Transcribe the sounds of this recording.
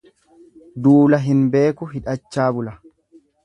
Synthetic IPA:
d̪uːlɐɦɪnbe̞ːkʊɦɪᶑɐt͡ʃːaːbʊlɐ

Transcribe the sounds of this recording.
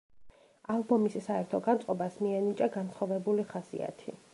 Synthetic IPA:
alˠbɔmissaɛɾt̪ʰɔɡant̪sʼqʼɔbasmiɛnit͡ʃʼaɡansχɔvɛbuliχasḭa̰t̪ʰi

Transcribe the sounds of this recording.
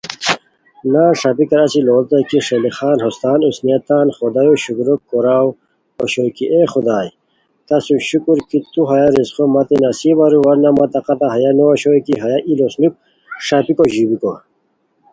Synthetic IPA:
naːʂapikɐɾɐsiloːlt̪akiʂelixaːnɦost̪aːnusnijɐt̪aːnχɔd̪ajoɕukuɾokːɔɾaw | oɕojkiʔeχud̪aːj | t̪ɐsuɕukuɾkit̪uɦɐjaɾizχomɐt̪enɐsibaɾuwɐɾnamɐt̪ɐqɐt̪aɦɐjanoaɕojkiɦɐjaʔilosnuk̚ | ʂapikoʑibiko

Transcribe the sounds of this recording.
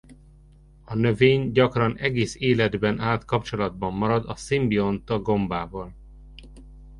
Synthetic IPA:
ɒnø̞veːɲɟɒkrɒnɛɡeːseːlɛd̪bɛnʔaːt̪kɒpt͡ʃo̞lɒd̪̚bɒmːɒɾɒd̪ɒsimbio̞nt̪ɒɡo̞mbaːvɒl

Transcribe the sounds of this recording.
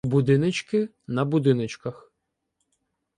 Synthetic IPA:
bud̪ɪnɪt͡ʃkɪ | nɐbʊd̪ɪnɪt͡ʃkɐx

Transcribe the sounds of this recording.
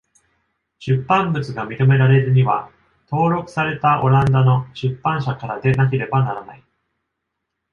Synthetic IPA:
ɕɨpːãmbɯ̟t͡sɨɡamʲit̪o̞me̞ɾaɾe̞ɾɨɲ̟iβa̰ | t̪o̞ːɾo̞kɯ̥saɾe̞t̪aʔo̞ɾãnd̪ano̞ɕɨpːãɰ̃ɕakaɾad̪e̞nak̬e̞ɾe̞banaɾana̰i

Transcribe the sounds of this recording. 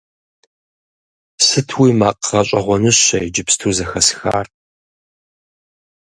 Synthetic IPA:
sɨtʰwiːmaːqʁɐɕʼɐʁʷɔnɨɕɐjd͡ʒɪpstʰuːzɐxɐsxa̰ːr

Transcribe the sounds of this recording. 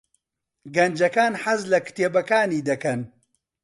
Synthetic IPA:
ɡɐnd͡ʒɐkaːnħɐzlɐkt̪eːbɐkaːniːd̪ɐkɐn

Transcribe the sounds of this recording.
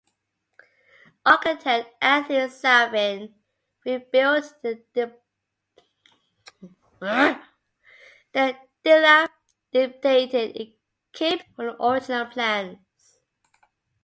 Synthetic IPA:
ʔɔkɪtʰɛkʔæθisɛvən | ɹibɪltðə | ðə | d̥ɪlə | d̥ɪp̚tʰeɪtɪdə̰ | kʰipə̃nɔɹɪd͡ʒnəlˠpʰl̥æ̃n | s

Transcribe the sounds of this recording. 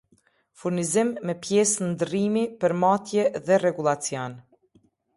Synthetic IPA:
fuɾnizimːɛpjɛsnd̪ɾimipəɾmat̪jɛðɛrɛɡulˠat͡sjɔn

